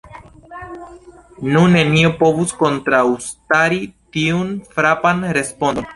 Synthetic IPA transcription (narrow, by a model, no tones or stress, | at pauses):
nune̞niopo̞vusko̞ntɾawstaɾitiunfɾapanɾe̞spondon